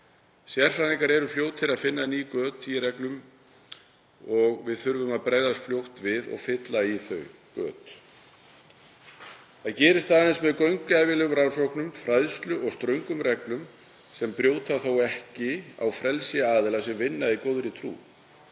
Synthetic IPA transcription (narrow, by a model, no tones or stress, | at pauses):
sjɛr̥faniŋkaɾɛɾʏfljoːwt̪ʰɪɾaðfɪnːaniːkœːt̪ʰiɾɛklʏm | ɔɣvɪðθʏɾvʏmaðpɾaːjðast̪fljowht̪vɪðɔ̰ɣfɪt̪laiθœɥkœ̰ːt̪ | θaðcɛːɾɪst̪aːðnɪnsmɛðkœɥŋkaːjvɪlɛɣʏmɾansowknʏmfɾaðst̪lʏʔɔɣst̪ɾœɥŋkʏmɾɛklʏm | sɛmpɾjoːwt̪aθowɛhcɪa̰wfɾɛlsɪaːðɪlasɛmvɪnːaikoːwðɾɪt̪ʰɾṵː